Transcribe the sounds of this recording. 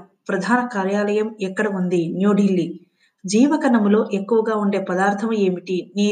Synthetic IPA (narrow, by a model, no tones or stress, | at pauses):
pɾɐd̪ʱaːnɐkaːɾjaːlɐjɐmɛkːɐɽɐund̪injuːɖʱilːi | d͡ʒiːʋɐkɐnɐmlo̞ːʔekːuʋɐɡaːuɳɖe̞ːpɐd̪aːɾt̪ʰɐme̞ːmiʈiniː